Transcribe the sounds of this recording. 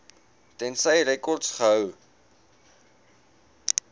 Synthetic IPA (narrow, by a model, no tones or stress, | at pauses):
tɛnsəjɾɛkɔrtsχəɦəw